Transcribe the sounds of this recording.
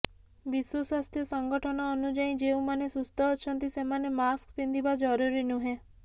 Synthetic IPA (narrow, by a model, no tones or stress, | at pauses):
biswoswast̪ʰjɔsəŋɡɔʈʰɔnɔːnud͡ʒaĩd͡ʒeũmanesust̪ɔːt͡ʃʰɔnt̪isemanemaskpind̪ibad͡ʒɔɾuɾinũɦẽ